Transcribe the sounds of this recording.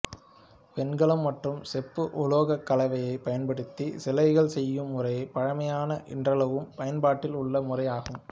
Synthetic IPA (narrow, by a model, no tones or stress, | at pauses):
pɛnɡɐɭɯmːɐʈrɯmsɛpːɯʔʊloːɣɐkːɐlɐʋɐjɐɪpːɐjɐnpɐɽɯt̪ːisɛlɐɪɣɐɭsɛjːɯmːʊrɐjɐɪpɐɻɐmɐjaːnɐʔɪ̰ndrɐɭɐʋɯmpɐjɐnbaːʈːɪlʊɭːɐmʊrɐjaːɣɯm